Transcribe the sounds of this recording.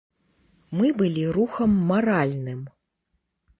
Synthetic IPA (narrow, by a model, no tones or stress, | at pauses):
mɨbɨlʲiɾuxɐmːaɾalʲnɨm